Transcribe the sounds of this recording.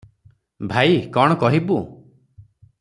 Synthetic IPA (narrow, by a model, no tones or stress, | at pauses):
bʱajkɔɽ̃ɔkɔɦibu